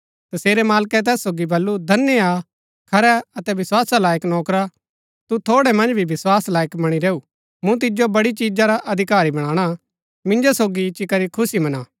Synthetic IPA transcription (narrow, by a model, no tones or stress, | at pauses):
t̪ɐseːɾɛmaːlkɛt̪̬ɛːsːoːɡibɐlːud̪ʱɐnːja | kʰɐɾɛɐt̪ɛʋɪswaːsalaːjəknɔːkɾa | t̪ut̪ʰoːɽɛmɐ̃nd͡ʒbʱiʋɪswaːslaːjəkmɐɽ̃iɾeːu | mũt̪̬ɪd͡ʒobɐɽit͡ʃiːd͡ʒaɾaʔɐd̪ʱɪkaːɾibɐɽ̃ãːɽ̃a | mɪ̃nd͡ʒosoːɡit͡ʃɪkɐɾikʰʊsimɐnaː